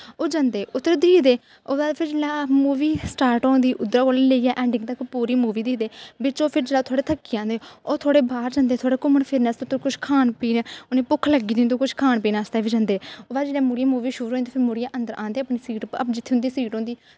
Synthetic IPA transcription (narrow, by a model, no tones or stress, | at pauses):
oːd͡ʒãnd̪eːʔʊt̪ːəɾd̪iːd̪eː | oːd̪aːpʰɪɾd͡ʒeːlaːmuːʋiːsʈaːɾʈõːnd̪iːʔʊd̪ɾaːkoːlleːiaːʔɛ̃ːɳɖɪ̃ŋɡt̪əkpuːɾiːmuːʋiːd̪iːd̪eːʋɪt͡ʃoːpʰɪɾd͡ʒeːlaːt̪ʰoːɽeːt̪ʰəkːiːãːnd̪eːoːt̪ʰoːɽeːbaːɾd͡ʒãːnd̪eːt̪ʰoːɽeːkʊməɳpʰɪɾnɛːst̪ʊt̪ːkʊʃʰkʰaːnpiːnːʊnẽːpʊkʰːləɡiːd̪iːnt̪oːkʊt͡ʃʰkʰaːnpiːnaːst̪aːʋiːd͡ʒãːnd̪eːoːd̪aːd͡ʒeːɽãːmʊɽɪjãːmuːʋiːʃʊːɾõːnt̪eːpʰɪɾmʊɽijãːʔə̃nd̪əɾʔãːnd̪eːəpniːsiːʈə̰pd͡ʒɪt̪ʰːeːʊ̃nd̪iːsiːʈõːnd̪iː